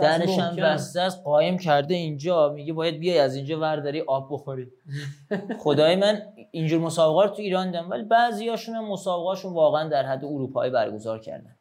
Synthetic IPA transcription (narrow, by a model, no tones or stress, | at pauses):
d̪æɾeʃæmbæst̪ææsɢɒːemcʰæɾd̪eind͡ʒɒːmiɟebɒːjæd̪̚bijɒjæzind͡ʒɒːvæɾd̪ɒɾiʔɒːbːoxoɾi̥ː | xo̞d̪ɒːjemæn | ind͡ʒuːɾmo̞sɒːbeɣɒːɾt̪ʰuiːɾɒːnd̪id̪æmvæ̰libæzijɒːʃuːnæmːosɒːbeɣɒːʃunvɒːɣeænd̪æɾɦæd̪ːeoɾuːpʰɒ̰ːiːbæɾɡo̞zɒːɾcʰæ̰ɾd̪æ̰n